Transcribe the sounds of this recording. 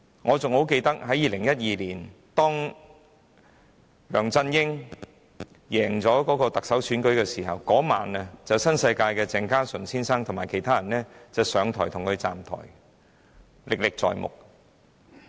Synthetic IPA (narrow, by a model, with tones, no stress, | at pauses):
ŋɔː˨˧t͡sʊ˨ŋho˨˥wke˧jt̪ɐ˥k̚ɦɐ˨˥jiː˨˧lɪ˨˩ŋjɐ˥t̚jiː˨˧liː˨˩n | t̪ɔː˥ŋ | lœː˨˩ŋt͡sɐ˧njɪ˥ŋ | jɛː˨˩ŋt͡sɔː˨˥kɔː˨˥kɔː˧t̪ɐ˨k̚sɐ˨˥wsʰyː˨˥nkɵ˨˥ɥkɛː˧siː˨˩ɦɐ˨wkɔː˨˥ma̰ː˨˩nɐ˨t͡sɐ˨wsɐ˥nsɐ˧jkaː˧jkɛː˧t͡sɛː˧ŋkaː˥sɵ˨˩nsiː˥nsaː˥ŋt̪ʰʊ˨˩ŋmaː˨jkʰe˨˩jt̪ʰaː˥jɐ˨˩nlɛː˥t͡sɐ˨wsœː˨˧ŋt̪ʰɔː˨˩jt̪ʰʊ˨˩ŋkʰɵ˨˧ɥt͡sa̰ː˨mt̪ʰɔ̰ː˨˩j | lɪ˨k̚lɪ˨k̚t͡sɔ̰ː˨jmʊ̰˨˩k̚